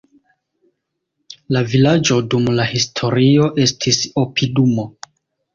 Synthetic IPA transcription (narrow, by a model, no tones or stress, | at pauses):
lavilad͡ʒo̞dumlahistʰo̞ɾio̞ʔe̞stʰisopʰidumo̞